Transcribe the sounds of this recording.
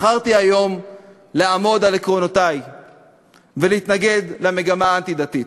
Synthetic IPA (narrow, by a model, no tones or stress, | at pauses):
χaʁt̪iajo̞m | leamo̞d̪alekʁonotaj | veleit̪naɡe̞d̪lame̞ɡamaant̪id̪at̪it